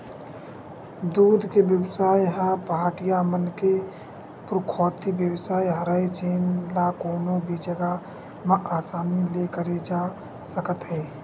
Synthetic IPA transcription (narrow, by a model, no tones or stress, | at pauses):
d̪uːd̪ʱkebjəbsaːjɦəpəɦaːʈijamənke | pɾʊkʰɔːt̪ibjəwsaːjɦəɾəet͡ʃeːnlakoːnobʱid͡ʒəɡa | məʔaːsaːnilekəɾed͡ʒa | səkət̪ɦɛː